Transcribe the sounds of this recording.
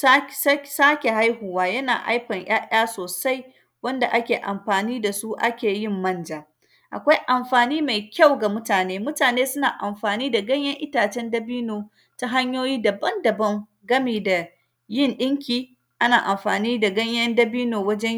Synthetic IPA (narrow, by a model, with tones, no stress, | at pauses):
sa˦ssaː˦kʲe˨ɦa˦jhu˨waː˦jɐ˦na̰ː˨ʔa̰˦jɸɐ˨ɲj̰aː˦ʔʲaː˦soː˨sa˦j | wɐ˦nda˨ʔa˦kʲeː˨ʔa˨mɸaː˨niː˦da˨su˦ʔa̰˦kʲeː˨jɪ˦˨mːɐ˦nd͡ʒaː˨ | ʔa̰˨kʷa˦jʔa˨mɸaː˨niː˦ma˨jkʲa˦˨wɡa˨mʊ˦taː˨neː˦mʊ˦taː˨neː˦sʊ˦naː˨ʔa˨mɸaː˨niː˦da˨ɡɐ˦ɲjɐ˦ŋʔɪ˦taː˨t͡ʃɛ˦ndɐ˦biː˦noː˨ | ta˦ɦa˦ɲjoː˦jiː˦dɐ˨bɐ˦ndɐ˨bɐ˦ŋ | ɡɐ˦miː˨da˨ | jɪ˦˨nɗɪ˦ŋkʲiː˨ | ʔa˦naː˨ʔa˨mɸa̰ː˨niː˦da˨ɡɐ˦ɲjɐ˦ndɐ˦biː˦noː˨wɐ˦d͡ʒɛ˦